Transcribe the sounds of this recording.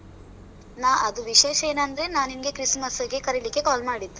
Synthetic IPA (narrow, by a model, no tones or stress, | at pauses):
naːɐd̪uʋiʃeːʃɐeːnɐnd̪ɐɾe̞naːninɡekɾismɐsɐɡekɐɾelikːe̞kaːlmaːɽid̪ːu